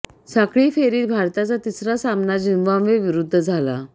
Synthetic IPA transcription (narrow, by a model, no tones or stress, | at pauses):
sakɭiːfeɾiːt̪bʱaɾt̪at͡sat̪isɾasamnad͡ʑinʋãmʋeʋiɾud̪ʱːəd͡zʱala̰